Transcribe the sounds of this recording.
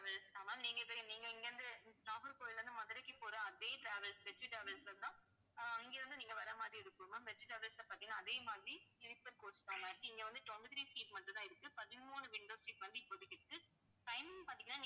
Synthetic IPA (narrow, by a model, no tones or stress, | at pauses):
ʋɐlstaːmãːniːŋɡɐɪpːoniːŋɡɐɪŋɡɐʋɐnd̪ɯʈaːfɐɾpoːɪlɾɐnd̪ɯmɐðɪɾɐkːɯpoːɾãːɐðeːʈɾaːʋɛlsʋɛʈːɾɯʈɾɐːʋɐlsɐɾt̪ãː | ɐŋɡeːɾɯnd̪ɯniːŋɡɐʋɐɾɐmaːd̪ɾiɪɾɯkːɯmɐʋɛʈriʈɾɐːʋɐlsɐpaːt̪iŋɐnaːðeːmaːdɾiɪɾɪpːɐɾkoːst̪aːmaːʈːɯɪŋɡɐʋɐnd̪ɯt̪ɔɳbɯðɪɾiːsiːʈmɐɳʈːɯt̪ãːɪɾɯkːɯpɐðɪmuːnɯʋɪɳɖoːsʈɪʈːʋɐnd̪ɯpːɔðɯkːɪʈːɯkːɯ | ʈɐɪmpaːɾt̪iŋɡɐnːaːnː